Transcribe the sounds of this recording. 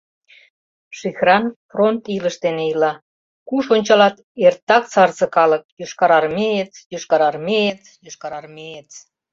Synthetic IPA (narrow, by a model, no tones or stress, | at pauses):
ʃixrɑnfront̪iləʃd̪eneilɑ | kuʃonʲt͡ɕɑlɑt̪ | ert̪ːɑk̚t͡sɑrzɤ̆kɑlə̆k̚jøʃkɑɾɑrmejet̪jøʃkɑɾɑrmejet̪joʃkɑɾɑrmejet̪